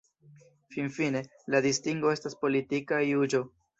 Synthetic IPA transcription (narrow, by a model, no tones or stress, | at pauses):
finfine̞ | ladistiŋɡoe̞staspo̞litikajud͡ʒo̞